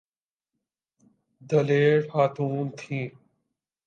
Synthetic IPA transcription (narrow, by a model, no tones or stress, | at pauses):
d̪əleːɽhaːt̪ʰuːnt̪ʰĩː